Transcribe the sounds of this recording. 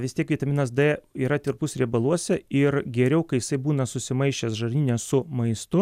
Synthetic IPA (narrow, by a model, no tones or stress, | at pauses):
ʋʲɪst̪ʲiɛkʋʲiːt̪ɐmʲɪnɐsd̪ɛiːɾɐt̪ʲɪɾpʊsɾʲibɐlˠuɔsʲɛɪrɡʲɛɾʲɛʊkɐɪjɪsɐɪbuːnɐsʊsʲɪmɐɪʃʲt͡ʃʲɛsʒɐrʲnʲiːnʲɛssʊmɐɪst̪ʊ